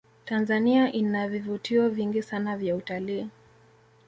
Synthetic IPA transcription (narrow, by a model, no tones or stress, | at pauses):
tanzaniaʔinavivutiɔviŋɡisanavjautaliː